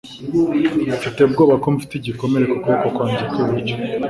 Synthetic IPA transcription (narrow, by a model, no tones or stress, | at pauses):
ut͡ʃuteb̚ɡo̞ːβakomufi̥tiɟiko̞me̞ɾe̞kokuβakokwaːɲzekeβico